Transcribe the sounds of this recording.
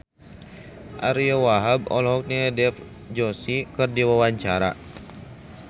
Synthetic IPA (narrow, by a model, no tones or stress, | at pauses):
ʔaɾiawaɦab̚ɔ̰lɔɦɔk̚niɛdɛf | d͡ʒɔsikɨrdiwawaɲt͡ʃaɾa̰